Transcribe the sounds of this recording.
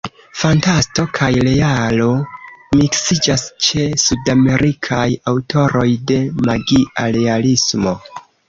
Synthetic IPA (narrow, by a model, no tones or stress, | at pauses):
fantasto̞kʰajle̞alo̞miksid͡ʒast͡ʃe̞sudame̞ɾʔikʰajawtʰo̞ɾo̞jde̞maɡiʔale̞alismo̞